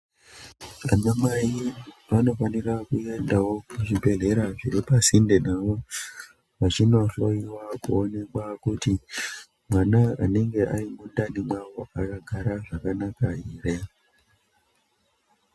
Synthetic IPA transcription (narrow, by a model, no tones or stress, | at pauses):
aɲamaiʋano̞fanirakue̞ndawo̞kuʐibʱe̞ɮe̞ɾaʐiɾipasindenaʋo̞ | ʋat͡ʃinoɬo̞iwakuone̞kwakuti | mwanaane̞ŋɡe̞ʔarimundanimawo̞akaɡʱaɾaʐakanakaiːre